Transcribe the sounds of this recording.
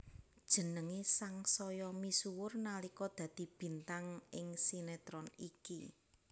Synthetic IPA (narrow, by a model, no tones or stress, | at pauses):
dd̥ʒ̥ə̤nəŋesaŋsɔjɔmisuwʊrnalikɔd̪̥ä̤d̪̥i̤b̥i̤nt̪aŋɪŋsinɛt̪ɾɔniki